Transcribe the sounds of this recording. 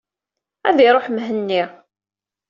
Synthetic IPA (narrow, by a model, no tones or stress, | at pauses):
æðiɾˤoħmɦənːi